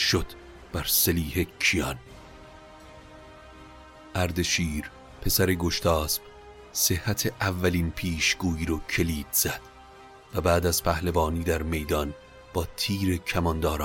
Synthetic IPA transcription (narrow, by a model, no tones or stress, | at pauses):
ʃod̪̥ | b̥æɾseliːhe̞cʰijɒn | ʔæɾd̪e̞ʃiːɾ | pʰe̞sæɾeɡo̞ʃt̪ʰɒːsb̥ | se̞hːæt̪ʰe̞ʔævːælinpʰiːʃɡ̥uːiːɾɔcʰe̞liːd̪̥z̥æd̪̥ | væbæːd̪æz̥pʰæhlevɒːniːd̪æɾme̞jd̪ɒn | b̥ɒːt̪ʰiːɾe̞cʰæmɒnd̪ɒːɾː